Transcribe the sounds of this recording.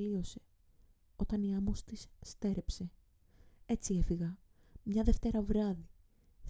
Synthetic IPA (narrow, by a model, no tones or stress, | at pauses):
lio̞se̞̥ | o̞t̪ɐniɐmost̪isːt̪e̞ɾʔe̞pse̞ | e̞t͡sie̞fiɣɐ | mɲɐðe̞ft̪e̞ɾɐvɾɐði | θ